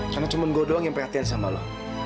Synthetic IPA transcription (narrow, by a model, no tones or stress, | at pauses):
karnat͡ʃumanɡodoaŋjaŋpərhat̪ians̬amala̰